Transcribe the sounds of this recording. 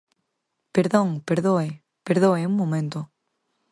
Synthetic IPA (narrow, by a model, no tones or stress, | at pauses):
peɾðõŋpeɾðoe | peɾðoeũŋmːõmẽnt̪o